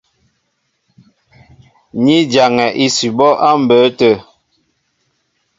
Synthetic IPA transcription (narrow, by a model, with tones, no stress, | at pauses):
ɲi˦d͡ʒa˨ŋɛ˨ʔi˦si˨bɔ˦ʔa˦m̩˨bə˨˦tə˦˨